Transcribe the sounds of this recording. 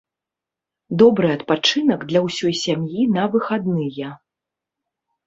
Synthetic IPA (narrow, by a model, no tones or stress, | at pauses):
d̪ɔbɾɨɐt̪̚pat͡ʂɨnɐɡd̪lʲɐwsʲɔjsʲamjinɐvɨxad̪nɨjɐ